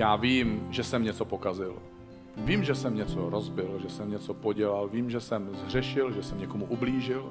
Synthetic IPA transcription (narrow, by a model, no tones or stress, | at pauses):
jaːviːmʒɛsɛmɲɛt͡so̞po̞kazɪl | viːmʒɛsɛmɲɛt͡soɾozbɪlʒɛsɛmɲɛt͡sopoɟɛlalviːmʒɛsɛmzr̝ɛʃɪlʒɛsɛmɲɛkomuʔubliːʒɪl